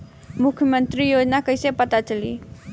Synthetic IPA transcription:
mukʰjəmənt̪ɾijod͡ʒnakəisepət̪at͡ʃəlḭ

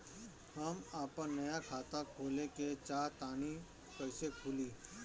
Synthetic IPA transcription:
hɐmaːpəɾnɐjakʰaːt̪akʰoːleket͡ʃaːɾt̪aːni | kɐɪsekʰuːliː

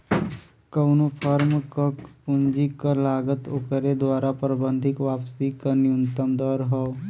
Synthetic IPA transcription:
kəʊnopʰəɾmkəkpʊ̃nd͡ʒikəlaːɡət̪okəɾed̪waːɾapɾəbə̃nd̪ʱɪkʋaːpsikəniʊ̃nt̪əmd̪ɔːɾɦɔː

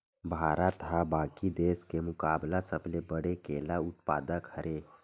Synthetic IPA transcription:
bʱaɾət̪ɦabakid̪eskemukablasəblebəɽ̤ekelaut̪̚pa̰d̪əkhəɾʔe

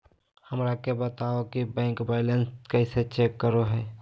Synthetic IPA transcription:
həmɾakebət̪aokibɛ̃ːŋkbaɪlənskəɪset͡ʃeːkːəɾoɦɛː

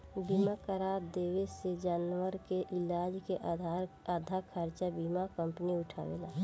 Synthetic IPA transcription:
bimakəɾaːɾd̪eːwesed͡ʒaːnʋəɾkeʔɪlaːd͡ʒke | ad̪ʱakʰəɾt͡ʃabimakə̃mpniʊʈʰa̰ːʋḛlaː

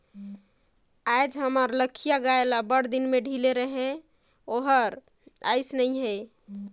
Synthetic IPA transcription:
ajd͡ʒɦəməɾləkʰːijaɡaelabəɽ̤d̪inmeɖʱileɾəɦe | oɦəɾ | aɪsnəjɦe

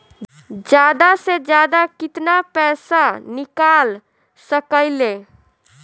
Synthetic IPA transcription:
d͡ʒjad̪ased͡ʒjad̪akit̪napɛsanikal | səkəɪle

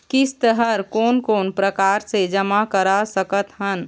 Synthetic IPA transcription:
kɪst̪əɦəɾkoːnkoːnpɾəkaːɾsed͡ʒəmakəɾasəkət̪ɦən

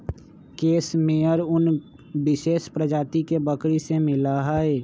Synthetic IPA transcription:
keːsmẽəɾʊn | bɪʃeːʃpɾəd͡ʒaːt̪ikebəkɾisemɪlaɦaɛː

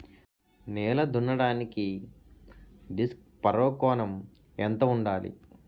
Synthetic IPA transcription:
nɛːlɐd̪unɐɽaːniki | ɖisk̚ | pɐɾɔːkɔːnɐm | ent̪ɐuɳɖaːlḭ

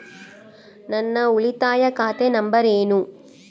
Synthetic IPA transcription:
nɐnːɐuɭit̪aːjɐkaːt̪enɐmbɐɾeːnu

